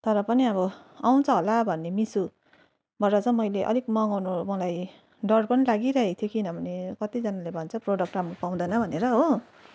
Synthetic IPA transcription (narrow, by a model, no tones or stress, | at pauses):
t̪ʌɾʌpʌniʌβʌaw̃t͡sʰʌɦolabʱʌnːemisu | bʱʌɾʌt͡sʌmʌjleʔʌ̰likmʌŋawnomʌlaj | ɖʌrpʌnilaɡiɾʌɦekt̪ʰjokinʌbʱʌnekʌt̪id͡zʌnalebʱʌnt͡sʰʌproɽʌk̚ʈramropaw̃d̪ʌjnʌbʱʌneɾʌɦo